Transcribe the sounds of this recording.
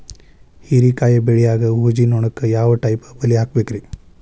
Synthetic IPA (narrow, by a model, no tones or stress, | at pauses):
hiɾikaːjɐbeɭijaːɡɐuɦd͡ʒinoːɳɐkːɐjaːʋɐʈɐjpɐbɐlːiɦaːk̚beːkɾi